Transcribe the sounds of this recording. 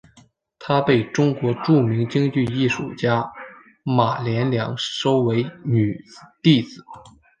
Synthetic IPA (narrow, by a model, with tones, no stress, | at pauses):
t̪ʰa˥pe˥˩ɪʈ͡ʂʊ˥ŋkwɔ˧˥ʈ͡ʂu˥˩mi˧˥ŋt͡ɕi˥ŋt͡ɕy˥˧i˥˩ʂu˨˩t͡ɕja˥ | ma˨˩ljɛ˧˥nljɑ̰˧˥ŋʂo˥ʊwe˧˥ɪny˨˩˧t̪i˥˩t͡sɹ̩˨˩˦